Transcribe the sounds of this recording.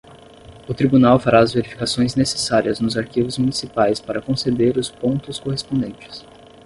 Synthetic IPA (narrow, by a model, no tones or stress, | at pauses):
ʊt̪ɾibunawfaɾaɐzveɾifi̥kasõj̃znese̥saɾiɐznʊzaɾkivʊzmunisipajspaɾɐkõsed̪eɾʊspõnt̪ʊskoɦespõd̪ẽnt͡ʃɪ̥s